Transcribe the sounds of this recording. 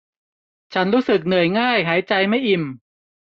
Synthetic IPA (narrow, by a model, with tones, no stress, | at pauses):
t͡ɕʰa˦˥nɾuː˦˥sɯ˨˩k̚nɯ˨˩əjŋaː˥˩jɦaː˩˦jt͡ɕa˧jma˥˩jʔi˨˩m